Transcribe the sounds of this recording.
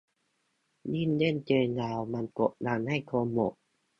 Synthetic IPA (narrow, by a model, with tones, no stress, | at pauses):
ni˥˩˨nde˥˨nt͡ɕɤː˧naː˧wma˧˨nko˨˧˩ʔna˧˩nha˧˥˩jk̪ʰo˧mːo˨˩ʔ̚